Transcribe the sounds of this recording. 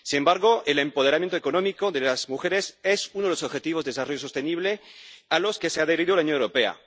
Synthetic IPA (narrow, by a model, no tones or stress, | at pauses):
sinembaɾɣo̞ʔelempo̞ð̞e̞ɾamjent̪oekonõmiko̞ðelazmuxeɾesesunoeosoβxe̞t̪iβ̞o̞zðeesarojos̬o̞st̪eniβ̞lealo̞ske̞seaðeɾiðolaunjonewɾopea̰